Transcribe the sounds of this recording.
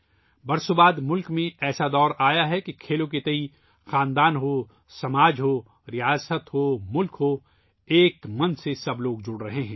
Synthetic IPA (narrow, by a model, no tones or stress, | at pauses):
bɐɾsobaːd̪mʊlkmẽɛːsad̪ɔːɾaːjaɦɛkikʰeːlõk̬et̪ɐi | xãːnd̪aːnɦoː | sɐmaːd͡ʒɦoː | ɾɪjaːsət̪ɦoːmʊlkɦoː | eːkmɐnsesɐbloːɡd͡ʒʊɽɾɐɦeɦɛ̃ː